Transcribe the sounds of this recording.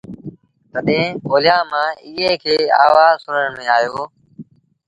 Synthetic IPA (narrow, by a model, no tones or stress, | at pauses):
t̪əɗẽːoːlɪjaːmãːiːɦeːkʰeːa̰ːʋaːzsʊnəɳmẽːaːjoː